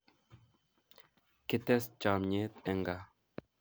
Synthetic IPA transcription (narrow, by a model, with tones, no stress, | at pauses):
kɪ˦t̪ɛ˦st͡ʃa˨mɲe˦t̪ɛ˨ŋɡa˨